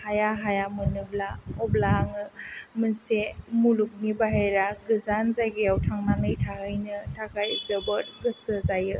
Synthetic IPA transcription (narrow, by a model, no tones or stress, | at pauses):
hajaɦajamɯnɯblaɔblaŋɯmɯnsemuluk̚nibaɦejɾaɡɯzanzajɡiawtʰaŋnaŋɯjtʰaɦɯjnɯtʰakʰajzɯbɯɾɡɯsɯzajɯ